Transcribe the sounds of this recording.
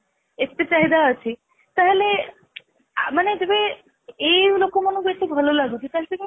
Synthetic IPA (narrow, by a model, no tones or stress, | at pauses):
ek̚t̪et͡ɕaɦid̪aət͡ɕʰi | t̪aɦele | amaned͡ʑebe | elokomonoɡeʈːibʱalolaɡut͡ɕʰet̪at̪ike